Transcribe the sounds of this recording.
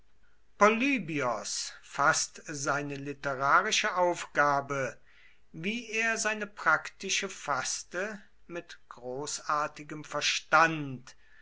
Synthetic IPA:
pɔlyːbiɔsfastzaɪnəlɪtəʁaːʁɪʃəʔaʊfɡ̥aːbə | viːeːɐzaɪnəpʁ̥aktɪʃəfastə | mɪtɡ̥ʁoːsaːɐtɪɡəmfɛɐʃtant

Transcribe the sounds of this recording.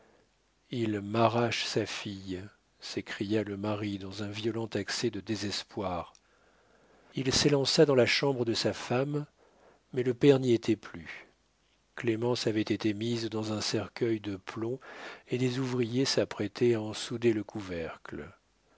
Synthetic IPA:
ilmaʁaʃsafij | sekχijaləmaʁid̪ɑ̃zɛ̃vjɔlɑ̃t̪aksɛd̪əd̪ezɛspwaʁ | ilselɑ̃sad̪ɑ̃laʃɑ̃bʁəd̪əsafamː | ɛləpɛʁniet̪ʰɛply | klemɑ̃savɛt̪et̪emizd̪ɑ̃zɛ̃sɛʁkʲœjd̪əplɔ̃ed̪ezuvʁijesapχɛt̪ʰɛaɑ̃sud̪eləkʰuvɛʁkl

